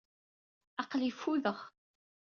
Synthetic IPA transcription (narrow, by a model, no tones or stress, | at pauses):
ɑqlifːuðəχ